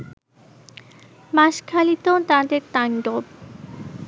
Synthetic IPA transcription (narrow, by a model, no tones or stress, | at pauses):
maʃkʰalit̪ot̪ad̪eɾt̪aɳɖob